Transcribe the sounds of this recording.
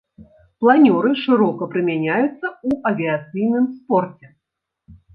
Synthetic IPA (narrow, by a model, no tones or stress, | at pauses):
plˠanʲɔɾɨʂɨɾɔkɐpɾɨmʲanʲajut̪sːɐuʔɐvʲiat̪sɨjnɨmspɔrt͡sʲɛ